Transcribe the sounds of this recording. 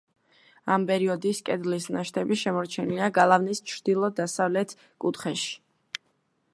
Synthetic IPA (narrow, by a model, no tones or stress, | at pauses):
ampʼɛɾiɔd̪iskʼɛd̪lisnaʃt̪ʰɛbiʃɛmɔɾt͡ʃʰɛniliaɡalˠavnist͡ʃʰɾd̪̥ilˠɔd̪asavlɛt̪ʰ | kʼut̪ʰχɛʃi̥